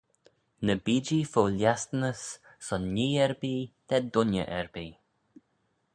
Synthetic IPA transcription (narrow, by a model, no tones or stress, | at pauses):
nəbiːd͡ʒifoːljast̪nəs | sɔnːiːɛɹbiːd̪̥ɛd̪ʊnjə̰ʔɛɹbiː